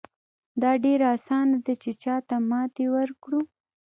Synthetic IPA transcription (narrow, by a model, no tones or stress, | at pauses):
d̪ɑɖeɾaasɑnad̪at͡ʃet͡ʃɑt̪amɑt̪ewəɾkɽu